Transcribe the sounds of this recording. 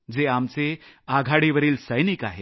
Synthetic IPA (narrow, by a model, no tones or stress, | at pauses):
d͡zeamt͡seaɡʱaɽiʋəɾiːlsəjnikaɦe